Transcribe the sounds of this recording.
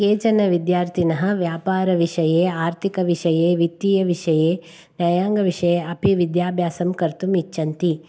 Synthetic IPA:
keːt͡ʃɐnɐʋid̪jaːɾt̪ʰinɐɦɐ̆ʋjaːpaːɾɐʋiʂɐjeːaːɾt̪ʰikɐʋiʂɐjeːʋit̪ːiːjɐʋiʂɐjeː | njɐjaːŋɡɐʋiʂɐjeːɐpiʋid̪jaːbʱjaːsɐmkɐɾt̪umit͡ʃːɐnt̪i

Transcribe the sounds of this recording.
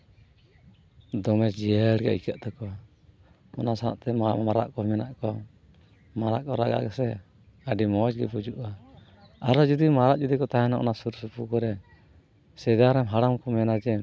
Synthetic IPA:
d̪ɔmɛsd͡ʒiəɽɡɛ̰ʔḭkaʔt̪akɔ | ɔnasaʔt̪ɛmaɾa̰ʔkɔmɛnaʔkɔ | maɾa̰ʔkɔɾa̰ɡa̰ʔɡasɛ | aɖimɔd͡ʒɡɛpud͡ʒuʔa | aɾɔd͡ʒud̪imaɾaʔd͡ʒud̪ikɔt̪aɦɛnaʔɔ̰nasuɾsupukɔɾɛ | sɛd̪aɾɛmɦaɽamkɔmɛnad͡ʒɛ

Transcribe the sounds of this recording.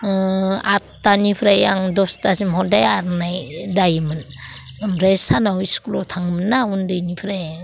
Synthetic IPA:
atːanipʰɾejaŋdostasimhodajaɾnajdajman | mɾesanawiskulotʰaŋmənaundajnipʰɾej

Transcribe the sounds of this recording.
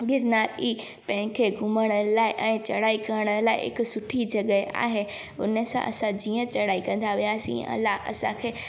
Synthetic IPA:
ɡɪɾnaːɾiː | pɐ̃ɦɪ̃kʰeɡʱʊməɽ̃əlaːɪʔɛ̃ːt͡ɕɐɽaːikɐɾəɽ̃əlaːɪ̰ɪ̰ksʊʈʰid͡ʑɐɠəʔa̰ːɦe | ʊ̰nəsã̰ʔɐ̰sãd͡ʑiːə̃t͡ɕɐɽaːikɐ̃nd̪aʋijaːsḭ̃ʔɐ̰laɦɐ̰sã̰kʰeː

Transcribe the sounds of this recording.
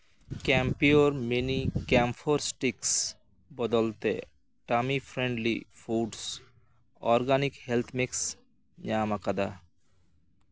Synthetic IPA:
kɛmpioɾmenikɛmfʰoɾsʈiks | bɔd̪olt̪e | ʈamifʰɾeɳɖlḭfuɖs | ɔɾɡanikhelt̪ʰmiks | ɲamakad̪a

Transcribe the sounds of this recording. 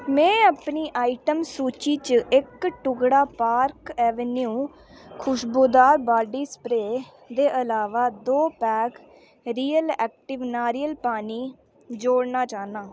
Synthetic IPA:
mɛ̃ːəpniːʔaːiʈəmsuːt͡ʃiːt͡ʃɪkʈʊɡɽaːpaːɾkɛːʋənjũː | kʰʊʃboːd̪aːɾbaːɖiːsə̥pɾeː | d̪eːʔəlaːʋaːd̪oːpɛːk | ɾiːəlɛ̰ːk̚ʈɪʋnaːɾijəlpaːniː | d͡ʒoːɽnaːt͡ʃaːnãː

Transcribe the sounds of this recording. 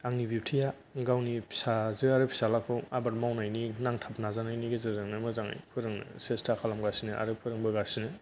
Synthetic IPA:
aŋnibip̚tʰija | ɡawnipʰi̥sazɯaɾɯpʰi̥salakʰɯabaɾ̚mawnajninaŋtʰap̚nazanajniɡezɯzɯŋnɯmɯzaŋa̰jpʰɯɾɯŋnɯ̰sestʰakʰalamɡasinɯʔa̰ɾɯpʰɯɾɯŋbɯɡasinɯ

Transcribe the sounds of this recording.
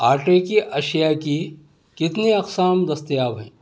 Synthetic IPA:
aːɾʈekiʔɐʃjaki | kɪt̪neɐqsaːmd̪ɐst̪jaːbɦɛ̰̃ː

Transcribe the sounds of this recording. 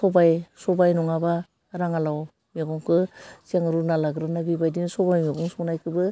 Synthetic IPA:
sɔbajsɔbajnɔŋaba | ɾaŋalaw | meɡɔŋkʰɯsiaŋɾunalaɡɾɯnabibajdinsɔbajmeɡɔŋsɔknajkʰɯbɯ

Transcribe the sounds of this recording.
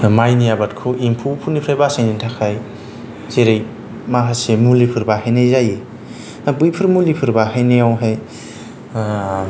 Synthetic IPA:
majnijabat̚kʰuimpʰupʰunipʰɾajbasajnintʰakʰaj | zeɾej | maɦasemulipʰɯɾbahajnejzaje | nabɯjpʰɯɾmulipʰɯɾbaɦajnejawɦaj

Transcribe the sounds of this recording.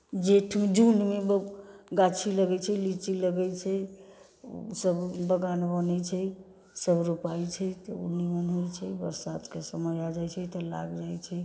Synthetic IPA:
d͡ʒeʈʰmd͡ʒunɖmebɡat͡ʃʰiləɡɛt͡ʃʰɛlit͡ʃiləɡɛt͡ʃʰɛ̰ | səbbəɡanbənɛt͡ʃʰɛ | səbɾupajt͡ʃʰɛt̪ɔṵnimənɦojt͡ʃʰɛbəɾsad̪kesəməjad͡ʒajt͡ʃʰɛt̪ɔla̰ɡd͡ʒajt͡ʃʰɛ

